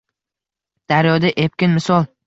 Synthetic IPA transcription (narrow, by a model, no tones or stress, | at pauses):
d̪̥aɾjɒd̪aʔep̚kʲɪnmɪsɒlˠ